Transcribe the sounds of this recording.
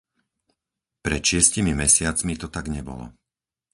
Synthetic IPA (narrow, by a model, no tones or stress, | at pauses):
pɾɛt̪ʃɪɛscimimɛsɪat͡smit̪ɔt̪aɡɲɛbɔ̰lɔ̰